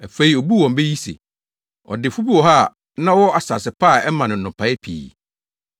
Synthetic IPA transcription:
æ˨fe˨˦i˦o˨bu˦wɔ̃˨m˦be˦ji˦sḛ˨ | ɔ̰˨dɪ˨fu˦bi˦wɔ˨ɦa˦˨ | nã˦wɔ˦a˨sa˨sɪ˨pʰa˦˨ɛ˦mã˨nʊ̃˨n̩˨nʊ̃˨pʰa˨˦ɪ˦pʰḭː˨

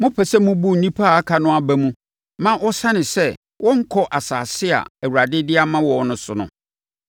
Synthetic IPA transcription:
mʊ̃˦pʰɛ˨sɛ˦mũ˦bu˦n̩˨nĩ˦pʰa˦˨a˦kʰa˨nʊ̃˦a˦bæ˦mũ˦ | mã˦ʔɔ˦sã˦nɪ̃˨sɛ˦˨ | wʔɔ̃˦ŋ̩˦kʰɔ˦ʔa˨sa̰ː˨sɪ˦a̰˨æ˨wu˨ɾa˨dɪ˦dɪ˦a˦mã˦wɔ˨˦nʊ̃˨sʊ˨nʊ̰̃˨

